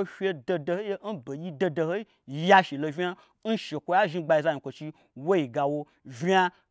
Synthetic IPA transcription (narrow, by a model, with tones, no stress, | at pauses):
o˦fʲe˧do˧do˧ho˦e˦n̩˦bo˨ji˦do˧do˧ho˦i˦ | ja˦ʃi˨lo˧vʲi˦a˦ | n̩˦ʃe˨kʷo˧ja˦ʒi˧ɡ͡ba˧ji˧˨za˧ji˨kʷo˨t͡ʃi˧ | wo˦ji˨ɡa˨wo˧ | vʲa˧